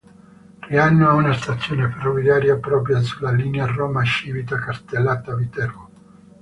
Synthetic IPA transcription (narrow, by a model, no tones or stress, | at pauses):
rianːoaunast̪at̪sːjoːneferːovjaːɾjapɾɔːp̬ɾjasulːaliːnearːoɔːmaeʃiːvit̪akast̪elːaːt̪avit̪ɛrmo